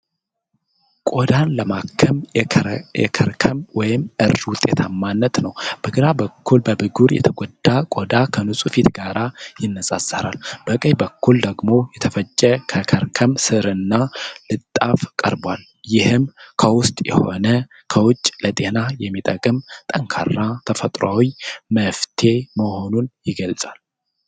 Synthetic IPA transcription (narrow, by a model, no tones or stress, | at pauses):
kʼod̪anləmakʰːəm | ɛɾʰəmwɔjɪmʔɨɾwʊt̪ʼːet̪ʰamːanːət̪nəwb̥əɡɨɾabəkʰːulbəbɨɡuɾjɛ̰t̪ʰəɡʷɔd̪ːakʼod̪akʰənusʼufit̪ɡaɾajɪnːəsʼa̰sːəɾa̰lb̥əkʼəjbəkːuld̪əɡmo̞jɛt̪ʰəfət͡ʃʼːɛkʰəkʰəɾkʰəmsɨɾɨnːalɨt̪ʼːafkʼə̰ɾbal | jɪhɨmkʰəwʊst̪ʼjɛ̰ho̞̰nə | kʰəwʊt͡ʃʼːlət̪ʼe̞najɛmːit̪ʼəkʼɨmt̪ʼəŋkʰa̰rːat̪ʰəfət̪ʼɾwa̰wiməft̪ʰe̞məho̞nunjɪɡəlt͡sʼal